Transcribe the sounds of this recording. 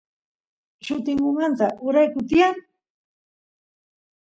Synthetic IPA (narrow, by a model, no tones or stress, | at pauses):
ʃʊt̪ɪŋkʊmant̪aʔʊɾajkʊt̪ɪja